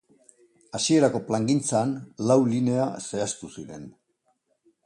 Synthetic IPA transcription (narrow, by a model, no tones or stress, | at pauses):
asie̞ɾako̞plaŋɡint͡saːnlawline̞ase̞ast̪usiɾe̞n